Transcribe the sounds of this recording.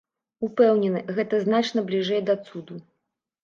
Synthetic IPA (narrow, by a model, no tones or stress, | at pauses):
upɛwnʲɛnɨɣɛt̪ɐznat͡ʂnɐblʲiʐɛjd̪ɐt̪sud̪u